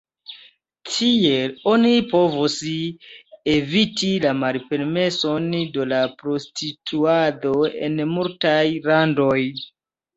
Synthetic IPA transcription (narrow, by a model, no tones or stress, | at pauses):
tʰie̞lo̞nipo̞vus | evitilamalpe̞ɾme̞so̞ndo̞lapɾo̞stʰitʰuado̞e̞̰nmultajlando̞j